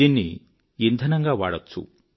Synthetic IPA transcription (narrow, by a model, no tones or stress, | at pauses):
inːi | ind̪ʱɐnɐŋɡaʋaːɽɐt̪sṵ